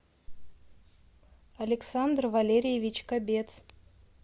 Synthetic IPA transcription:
alʲeksand̪rvalʲeɾʲijevʲit͡ɕkabʲet̪s

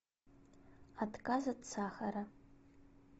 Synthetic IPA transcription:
adkʼazadt͡sʰaχaɾa

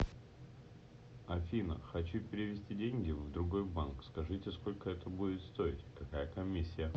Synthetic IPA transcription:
ɐfʲinə̰xɐt͡ɕupʲɪɾʲɪvʲɪsʲtʲidʲenʲɡʲɪvd̪ɾʊɡo̞jbankskɐʐɨtʲɪsko̞lʲkəɛt̪əbudʲɪt̪st̪o̞ɪtʲkɐkajəkɐmʲisʲːɪjə

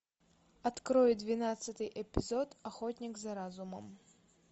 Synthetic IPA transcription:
at̪kɾɔjɛd̪vʲinat̪sːɐt̪ɨjʔɛpʲizɔt̪axɔt̪ʲnʲiɡzɐɾazumɐ̰m

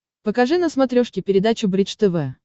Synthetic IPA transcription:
pəkɐʐɨnəsmɐt̪ɾʲoʂkʲɪpʲɪɾʲɪd̪at͡ɕʊbɾʲit͡ʃt̪ɛvɛ

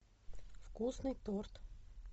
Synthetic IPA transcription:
fkusnɨjt̪ort̪

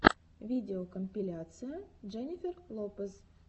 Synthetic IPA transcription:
vʲidʲeokʰomʲpʲilʲat̪sɨjəʒenʲifʲerlˠopəz

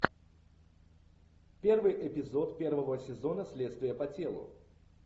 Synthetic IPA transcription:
pʲe̞rvɨjʔɪpʲɪzo̞t̪pʲervəvəsʲɪzonəsʲlʲet̪st̪vʲɪjəpɐtʲe̞lˠʊ̰

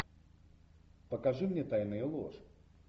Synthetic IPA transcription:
pəkɐʐɨmnʲet̪ajnɨjəlˠo̰ʐ

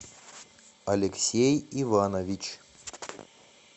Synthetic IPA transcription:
ɐlʲɪksʲejivanɐvʲit͡ɕ

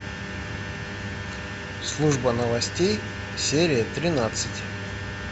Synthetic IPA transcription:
slˠuʐbənəvɐsʲtʲej | sʲeɾʲɪjət̪ɾʲɪnat̪sɨtʲ

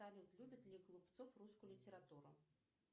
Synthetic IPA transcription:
alʲit̪lʲubʲɐd̪ʲlʲiklˠupt̪sɔfruskʊjlʲit̪ʲɛɾat̪uɾʊ̰

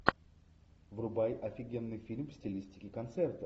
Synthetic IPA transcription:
vrʊbajʔɐfʲɪɡʲe̞nːɨfʲilʲmfsʲtʲɪlʲisʲtʲɪ̥kʲɪkɐnt̪sɛrt̪ə

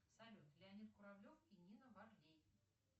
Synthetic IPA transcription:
sɐlʲut̪lʲɪɐnʲit̪kʊɾablʲofinʲinəvarlʲej

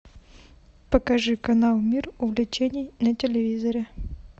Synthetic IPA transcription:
pəkɐʐɨkɐnalˠmʲirʊvlʲɪt͡ɕenʲɪjnətʲɪlʲɪvʲizɐɾʲɪ

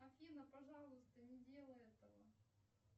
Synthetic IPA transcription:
ɐfʲinəpɐʐɑlˠʊst̪ənʲɪdʲe̞lˠəɛt̪əvə̰

